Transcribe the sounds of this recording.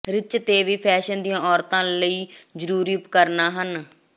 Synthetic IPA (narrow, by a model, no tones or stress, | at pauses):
ɾɪt͡ʃt̪eːʋiːpʰɛːʃənd̪ijãːɔːɾt̪ãːləiːd͡ʒəɾuːɾiːpkəɾnaːɦən